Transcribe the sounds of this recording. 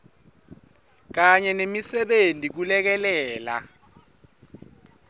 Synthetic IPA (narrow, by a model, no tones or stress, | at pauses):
k̬aɲɛnemisɛɓentʼik̬ulɛk̬ɛlɛːla̰